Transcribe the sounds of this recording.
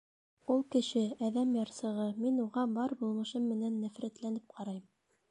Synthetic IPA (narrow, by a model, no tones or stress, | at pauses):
ulˠkɘ̆ʃɘæðæmjɑɾsɤ̆ʁɤminuʁɑbɑɾbulˠmɤ̆ʃɤmːɘ̆nænːæfɾæt̪lænɘp̚qʰɑɾɑjm